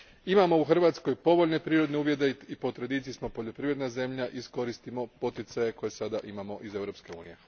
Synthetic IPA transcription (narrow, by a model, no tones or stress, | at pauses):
imamo̞uxr̩ʋaːt̪sko̞jpo̞ʋo̞ʎne̞pɾiːɾo̞d̪ne̞uːʋje̞d̪e̞ipo̞t̪ɾed̪it̪sismo̞po̞ʎo̞pɾiʋɾe̞d̪naze̞mʎaʔisko̞ɾist̪imo̞po̞t̪it̪saje̞ko̞je̞sad̪aʔimamo̞ʔize̞wɾo̞pske̞ṵːnije̞